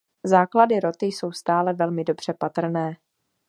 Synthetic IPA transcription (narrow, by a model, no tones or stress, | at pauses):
zaːkladɪɾo̞t̪ɪjso̞wst̪aːlɛvɛlmɪdo̞br̝̥ɛpat̪r̩nɛː